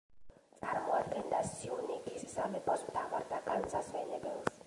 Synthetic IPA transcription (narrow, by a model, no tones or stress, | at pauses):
t̪sʼaɾmɔad̪ɡɛnd̪asiunikʰʼisisamɛpʼɔsmt̪ʰavaɾd̪akʼansasvɛnɛbɛls